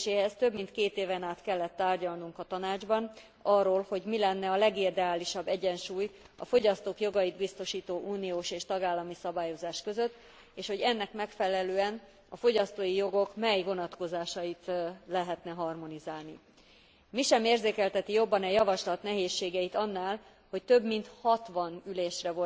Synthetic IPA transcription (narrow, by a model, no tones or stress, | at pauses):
ʃeːɦɛst̪ø̞bmint̪keːt̪eːvɛnaːt̪kɛlːɛt̪ːaːrɟɒlnuŋkɒt̪ɒnaːd͡ʒbɒn | ɒrːoːlho̞ɟmilɛnːɛɒlɛɡid̪ɛaːliʃɒbːɛɟɛnʃuːjɒ̰fo̞ɟɒst̪oːkjo̞ɡɒjid̪bist̪o̞ʃiːt̪oːʔuːnioːʃeːʃt̪ɒɡaːlːɒmisɒbaːjo̞zaːʃkø̞zø̞t̪ː | eːʃho̞ɟɛnːɛkmɛkfɛlɛløːɛn | ɒfo̞ɟɒst̪oːjijo̞ɡo̞kmɛjvo̞nɒt̪ko̞zaːʃɒjit̪lɛɦɛt̪nɛɦɒrmo̞nizaːlni | miʃɛmeːrzeːkɛlt̪ɛt̪ijo̞bːɒnɛjɒvɒʃlɒt̪nɛɦeːʃːeːɡɛjit̪ɒnːaːl | ho̞ct̪ø̞bmint̪hɒt̪ʋɒnyleːʃrɛvo